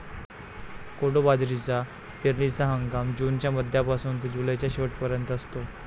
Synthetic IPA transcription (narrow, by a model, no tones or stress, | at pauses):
koɽobad͡zɾit͡sa | peɾnisaɦəŋɡamd͡ʑuːnt͡ɕjaməd̪ʱjapasuːnt̪əd͡ʑulajt͡ɕjaɕeʋəʈpəɾjənt̪əst̪o